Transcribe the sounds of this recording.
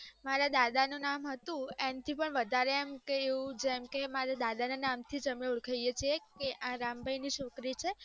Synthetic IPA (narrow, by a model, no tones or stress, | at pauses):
maɾad̪ad̪anũnamɦət̪ũemt̪ʰipəɳʋəd̪ʱaɾeːmkeːũd͡ʒɛmkemaɾad̪ad̪ananamt̪ʰid͡ʒəmeuɽkʰəjjet͡ʃʰiekeʔãɾambʱajniʃokɾit͡ʃʰe